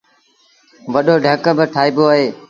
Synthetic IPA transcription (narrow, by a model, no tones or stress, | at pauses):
ʋəɗoːɖʱəkəbəʈʰaːiːboːaːɦeː